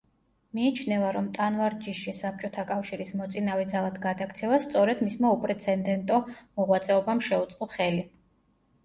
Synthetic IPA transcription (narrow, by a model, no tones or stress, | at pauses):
miːt͡ʃʰnɛvaɾɔmt̪ʼanvaɾd͡ʒiʃisap̚t͡ʃʼɔt̪ʰakʼafʃiɾismɔt̪sʼinavɛd̪zalˠad̪ɡad̪akt̪sʰɛvast̪sʼɔɾɛd̪mismaupʼɾɛt̪sʰɛnd̪ɛnt̪ʼɔmɔʁwat̪sʼɛɔbamʃɛut̪sʼqʼɔχɛli